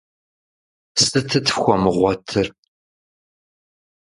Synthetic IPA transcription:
sɨtʰɨtʰxʷɔmɨʁʷɔtʰɨr

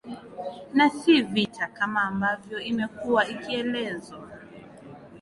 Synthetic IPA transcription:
nasivitʰakamaːmbavjɔimɛkuwaikiɛlɛzwa

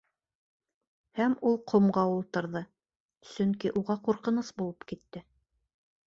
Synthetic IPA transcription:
hæmulˠqʰŏmʁɑulˠt̪ɤ̆ɾðɤ | sɵŋkiʔuʁɑquɾqɤ̆nɤsbulˠɤpkit̪ːɘ

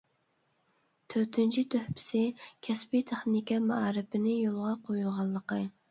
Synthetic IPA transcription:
t̪ʰøt̪ʰɪnt͡ʃʰit̪ʰøhpʰɪ̥sɪkʲʰɛspit̪ʰeχnnɪkʲɛmɑɑːɾɪpʰɪnɪjolˠʁɑqʰojulˠʁɑlˠːəqə

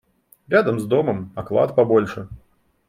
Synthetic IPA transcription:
ɾʲad̪ɐmzd̪ɔmɐmɐklˠa̰t̪pɐbɔlʲʂɨ

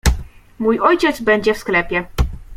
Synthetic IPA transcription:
mujɔjt͡ɕɛt̪zbɛɲd͡ʑɛfsklɛpʲjɛ

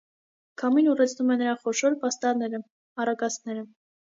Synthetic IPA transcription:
kʰɑminurɛt͡sʰnumɛnːəɾɑχɔʃɔɾpɑst̪ɑɾnɛɾə | ɑrɑkɑsnɛɾə

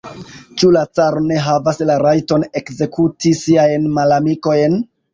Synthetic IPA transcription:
t͡ʃulat͡saɾone̞ɦavaslaɾajto̞ne̞kze̞kʰutisiajnmalamiko̞jn

